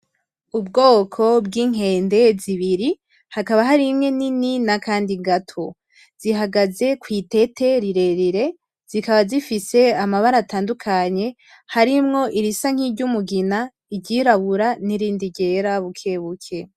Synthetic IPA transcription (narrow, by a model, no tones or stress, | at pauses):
ubɡo̞ːkʰo̞bɡiːŋ̥e̞ːnde̞ziβiɾi | hakaβaɦaɾimŋe̞nininakaːndiɡatʰo̞ | z̥iɦaɡaze̞kwiːte̞te̞ɾiɾe̞ɾiɾe̞ | z̥ikaβazifise̞amaβaɾataːndukʰaɲe̞ | haɾimŋo̞ʔiɾisaŋ̥iɾɟumuɡina | iɟiɾaβuɾaniɾiːndiɟe̞ɾaβukʰe̞βukʰe